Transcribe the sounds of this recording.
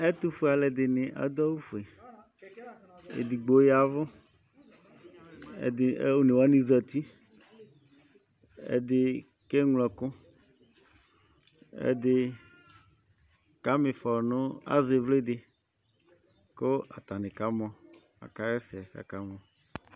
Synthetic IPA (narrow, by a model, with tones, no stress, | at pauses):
e˦t̪u˦fa˨lɛ˨d̪ɪ˨nɪ̃˨ʔa̰˨˦d̪ɔ˦wu˦fe˨ | ḛ˨d̪i˨ɡ͡bo˨˦ja˨vʊ˦˨ | d̪ɪ˨˦o˦nẽ˨wa˦nĩ˨zɛ˨t̪i˦ | ḛ˦d̪ɪ˦ | ke˦ŋlɔ˨kʊ˦ | ḛ˦d̪ɪ˦ | ka˦mɪ˨fɔ˨nʊ̃˦a̰˦zɪ˨vle˦d̪ɪ˨ | ko˦a̰˨t̪a˨nɪ̃˨ka˨˦mɔ̃˨ | a̰˨ka˦ɛ˦sɪ˨a˨ka̰˨ka˨˦ŋɔ̃˨